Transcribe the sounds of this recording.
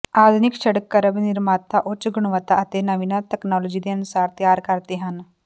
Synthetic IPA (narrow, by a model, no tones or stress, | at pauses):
aːd̪ʱunikʃɐɽəkːəɾəbnɪɾmaːt̪ːaʔʊt͡ʃɡʊɳ̃ʋət̪aɐt̪enɐʋinat̪ɛknɔːloːd͡ʒid̪eɐnʊsaːɾt̪jaːɾkɐɾt̪eɦɐn